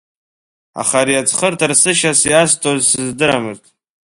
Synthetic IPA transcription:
a̰χaɾiat͡sʰχərtʰarsɨʃasiastʰʼozsɨzdɨɾamɨrtʼ

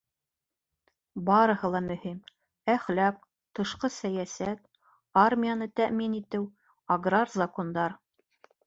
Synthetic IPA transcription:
bɑɾɤ̆hɤ̆lˠɑmɵ̆him | æχlæk̚ | t̪ɤ̆ʃqɤsæjæsæt̪ | armʲijanɤt̪æʔminit̪ɘw | ɐɡrarzɐkond̪ɑɾ

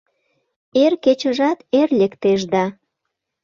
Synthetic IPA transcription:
erket͡ɕəʒɑt̪erlʲekt̪eʒd̪ɑ

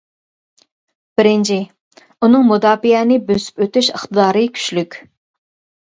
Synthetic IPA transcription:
b̥ɪɾɪnt͡ʃʰi | unɨŋmud̪ɑːpijɛnɪbøsy̥pøt̪yʃəχt̪ɨd̪ɑːɾɨkʲʰy̥ʃlykʲ

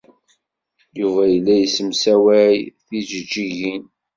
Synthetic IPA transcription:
juvæjəlːæjəsəmsæwæjθiʒəd͡ʒːiʝin

